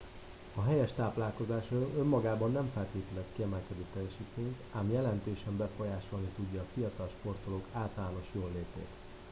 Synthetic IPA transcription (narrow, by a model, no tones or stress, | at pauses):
ɒɦɛjɛʃt̪aːplaːlko̞zaːʃroːlʔømːɒɡaːbɒnːɛɱfɛlt̪eːt̪ɛlɛt̪kiɛmɛlkɛd̪øːt̪ːɛjɛʃiːt̪eːnk̪aːmjɛlɛnt̪eːʃɛmbɛfo̞jaːʃo̞lnit̪uɟːɒːfijɒt̪ɒlʃpo̞rt̪o̞lokʰaːlt̪ɒlaːno̞ʃjoːlːeːpḛːt̪